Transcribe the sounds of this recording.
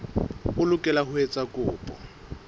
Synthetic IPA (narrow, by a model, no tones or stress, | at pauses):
ʊlʊkʼɛlaɦʊet͡sʼakʼʊːpʼɔ